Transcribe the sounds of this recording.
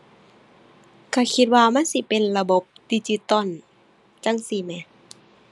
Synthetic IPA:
kʰa˧˩kʰi˧t̪̚waː˧ma˧˥˨nsi˧˦pe˨nla˧bo˧˦p̚d̪iː˧˩t͡ɕi˧t̪ɔ˧˨n | t͡ɕa˧˥˨ŋsi˧˩mɛ˧˨

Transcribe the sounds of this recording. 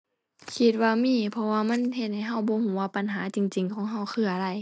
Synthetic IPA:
kʰi˧t̪̚waː˧miː˧˥˨pʰɔ˧waː˧ma˧˥˨nhe˧t̪̚ha˧˩jɦa˧˥˩wbɔː˧˦huː˨˦waː˧˩pa˨nɦaː˨˦t͡ɕi˧˨ŋt͡ɕi˨ŋkʰɔː˨˦ŋɦa˧˩wkʰɯː˧ʔa˧ɾa˧˩j

